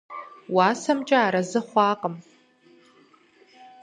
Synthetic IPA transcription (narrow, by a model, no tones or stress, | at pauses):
waːsɐmt͡ʃʼaaːɾɐzɨχʷɑːqʼəm